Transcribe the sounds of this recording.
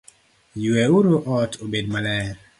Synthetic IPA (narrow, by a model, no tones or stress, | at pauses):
jweuɾoʔɔtʰobedmalɛɾ